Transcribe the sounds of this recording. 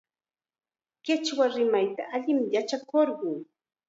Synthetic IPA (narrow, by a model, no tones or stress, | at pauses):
kɪt͡ʃwaɾɪmajt̪a̰ʔaʎɪmjat͡ʃakoɾɢʊŋ